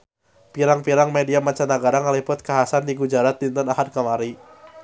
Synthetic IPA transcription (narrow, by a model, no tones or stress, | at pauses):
piɾaŋpiɾaŋmediamat͡ʃanaɡaɾaŋəlipʊt̪̚kaɦasandiɡud͡ʒaɾat̪̚dint̪ɔnahadkamaɾi